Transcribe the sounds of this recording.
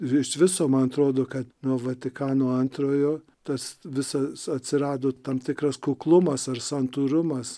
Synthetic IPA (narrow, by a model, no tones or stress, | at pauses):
ɪʃʋʲɪsoːmɐnɐt̪ɾoːd̪oːkɐt̪nuɔʋɐt̪ʲɪkɑːnoːɐnt̪ɾoːjoː | t̪ɐsʋʲɪsɐsɐt̪ʲsʲɪɾɑːd̪oːt̪ɐmt̪ʲɪkɾɐskuklˠʊmɐsɐrsɐnt̪uɾʊmɐs